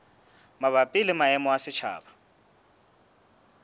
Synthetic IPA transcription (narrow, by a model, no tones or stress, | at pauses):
maβapʼɪlɪmaɛmɔasɪt͡ʃʰa̰ːba